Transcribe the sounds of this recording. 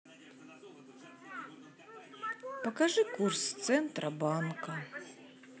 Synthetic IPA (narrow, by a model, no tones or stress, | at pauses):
pɐkaʐɨkurst̪sɛnt̪ɾʔɐbankɐ